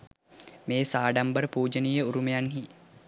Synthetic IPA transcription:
meːsaːɖambəɾəpuːd͡ʒənijəuɾumejanɦi

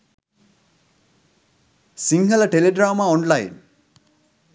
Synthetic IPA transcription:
siŋɡələʈeleɖɾaːmaːonlajin

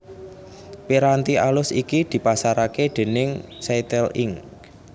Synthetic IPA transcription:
piɾant̪iʔalʊsikid̪̥i̤pasaɾaked̪̥e̤nɪŋsat̪ɛliŋk

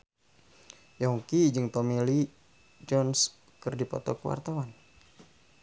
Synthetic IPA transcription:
jɔŋkid͡ʒɨŋt̪ɔmili | d͡ʒɔns | kɨrdipɔ̰t̪ɔkəwa̰rt̪awan

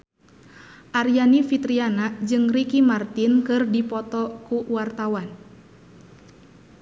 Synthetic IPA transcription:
ʔarijanifit̪ɾianad͡ʒɨŋrikimart̪inkɨrdipɔt̪ɔkuwart̪awan

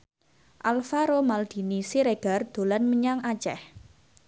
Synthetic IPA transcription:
ʔalfaɾomald̪̥i̤nisiɾeɡ̥a̤rd̪̥o̤lanməɲaŋat͡ʃɛh

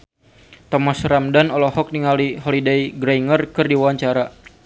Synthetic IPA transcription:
t̪ɔmasramdanɔlɔɦɔk̚niŋaliɦɔlidejɡɾaiŋərkɨrdiwawaɲt͡ʃaɾa

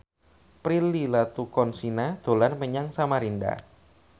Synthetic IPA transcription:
pɾililat̪ukɔnsinad̪̥o̤lanməɲaŋsamaɾinda̰

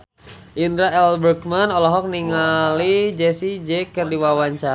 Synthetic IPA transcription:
ʔindɾaɛlbərkmanɔlɔɦɔk̚niŋalid͡ʒɛsid͡ʒɛkərdiwawaɲt͡ʃa

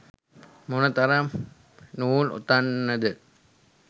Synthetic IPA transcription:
munət̪aɾam | nuːlṵt̪anːəd̪ə

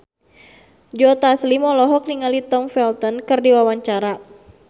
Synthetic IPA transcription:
d͡ʒɔt̪aslimɔlɔɦɔk̚niŋalit̪ɔmfɛlt̪ɔnkɨrdiwawaɲt͡ʃaɾa

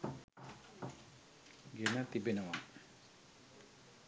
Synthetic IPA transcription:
ɡenat̪ibenawaŋ

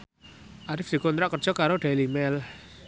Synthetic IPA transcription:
ʔaɾɪfd̪̥i̤kɔnt̪ɾaʔkərd̥ʒ̥ɔ̤kaɾoɖ̥a̤limɛl

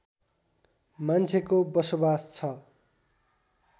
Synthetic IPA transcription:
mant͡sʰekobʌsobast͡sʰʌ

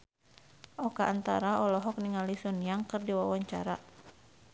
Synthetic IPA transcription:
ʔɔkaʔant̪a̰ɾaɔlɔɦɔk̚niŋalisɔnijaŋkɨrdiwawaɲt͡ʃa̰ɾa

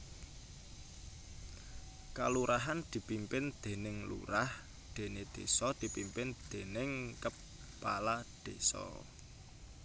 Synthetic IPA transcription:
ka̰luɾʔaɦand̪̥i̤pimpɪnd̪̥e̤nɪŋlṵɾah | d̪̥e̤ned̪̥esɔd̪̥i̤pimpɪnd̪̥e̤nɪŋkəp | pːalad̪̥esɔ̰

